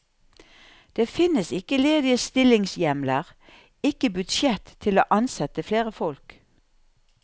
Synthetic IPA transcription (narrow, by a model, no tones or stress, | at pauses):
d̪̥eːfɪnəsɪkəleːd̪ɪəst̪ɪlɪŋsjɛmləʁ | ɪkəbʉd̪ʃjɛt̪ʰːɪloːʔɑnsɛt̪əfleːʁəfɔlk